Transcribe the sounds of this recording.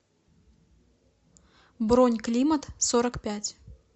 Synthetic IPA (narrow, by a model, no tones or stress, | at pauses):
bɾonʲklʲimɐt̪sɔɾɐkpʲæt͡sʲ